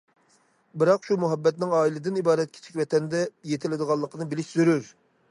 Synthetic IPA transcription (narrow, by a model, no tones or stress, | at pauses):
bɨɾɑqʃumuɦɛbːɛt̪̚nɪŋɑːilɪd̪ɪnibɑːɾɛt̪̚kʲʰe̥t͡ʃʰɪ̥kʲvɛt̪ʰɛnd̪ɛjet̪ʰɪlɪd̪əʁɑlˠːəqʰənɨbɪlɪʃz̥øɾyɾ